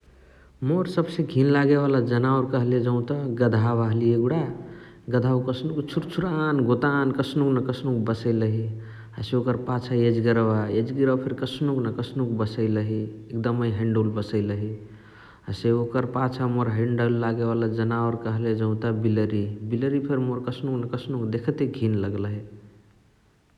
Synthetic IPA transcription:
moɾsəbsẽɡʱinlaɡeβalad͡ʒənaoɾkəɦled͡ʒə̃ʊ̃t̪aɡəd̪ʱaʋaɦlieɡuɽa | ɡəd̪ʱaukəsnukt͡ʃʰuɾt͡ʃʰuɾanɡot̪ankəsnuknəkəsnuk̚bəsəɪləɦi | aseokəɾpat͡ʃʰaed͡ʒɡəɾwaed͡ʒɡiɾwapʰeɾkəsnuknəkəsnukbəsəɪləɦiek̚d̪əməjɦẽɳɖolbəsəɪləɦi | aseokəɾpat͡ʃʰamoɾɦẽɳɖəlːaɡeβalad͡ʒənaɔɾkəɦled͡ʒə̃ʊ̃t̪abiləɾibiləɾipʰeɾmoɾkəsʰnuknəkəsnukd̪ekʰət̪eɡʱinləɡlɦe

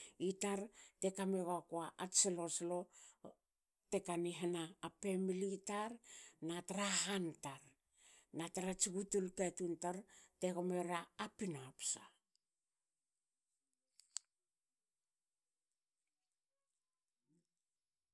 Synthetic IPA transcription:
itaɾte̞kameɣakoaʔatsiloslo̞ | te̞kaniɦanaːpe̞militaɾnataɾaɦantaɾ | nataɾat͡ʃiɡutulketuntaɾteɣomeɾaːpinoapsa

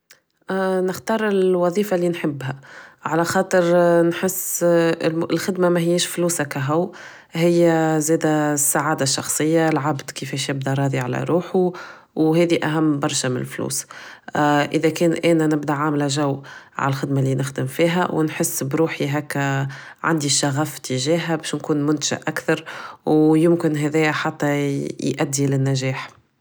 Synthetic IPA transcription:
nɪxt̪ɑːɾˤɪlwɑðˤiːfalːiːnħɪbːɦæʕalæxɑːt̪ˤəɾnħɪsː | lxɪd̪mamæhɪjːeːʃfluːsakæɦʊw | hɪjːæzɛːd̪æsːaʕaːd̪aʃːɑxsˤɨjːalʕabd̪̥kəfɛːʃjɪb̚d̪æɾˤɑːðiʕalæ̰ɾˤuːħu | wɦɛːðiʔæɦæmːbɑɾˤʃamɪ̰nɪ̰lflṵːs | ʔɪðækɛːnʔɛːnænɪbd̪aʕaːmlæʒæwːʕa̰lælxɪd̪malːiːnɪxd̪ɪmfiːɦæ̰wnħəsːbɾuːħiɦækːæʕa̰nd̪iʃːaɣaft̪əʒɛːɦæbɛːʃnkuːnmʊnt̪ḁʒa̰ʔʔækθɑɾˤwjʊmkɪnɦɛðɛːjæħat̪ːɑjʔæd̪ːilɪnːæʒɛːħ

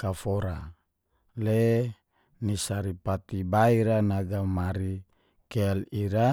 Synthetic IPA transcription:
kafoɾa | le | nisaɾipat̪ibaiɾanaɡamaɾi | keliɾa

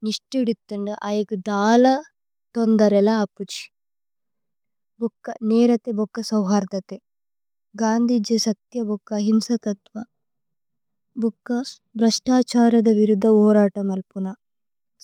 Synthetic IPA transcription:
niʂʈiɽit̪ːuɳɖuʔaːjɐkud̪aːlɐ | t̪ond̪ɐɾɛlaɐpːut͡ʃi̥ | bɔkːɐnɛːɾɐt̪ebɔkːɐsɐwɦaːɾd̪ɐt̪e | ɡaːnd̪ʱid͡ʒɐsɐk̚t̪jɐbɔkːɐɦimsɐt̪ɐt̪ʋɐ | bukːɐ | bɾɐʂʈaːt͡ʃaːɾɐd̪ɐʋiɾud̪ʱːɐɔːɾaːʈɐmɐlpunɐ

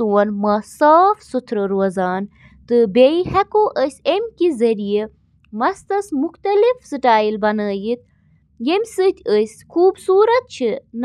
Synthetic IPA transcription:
uwɐnmɐsaːfsut̪ʰɾɐɾuɐzaːn | t̪ɨbeihɐkoʔəsʲemʲkizɐɾije | mɐst̪ɐsmuxt̪ɐlifsɨʈaːilbɐnəːjit̪̚ | jemʲsɨt̪ʲʰəsʲkʰuːbsuːɾɐt̪̚t͡ʃʰin

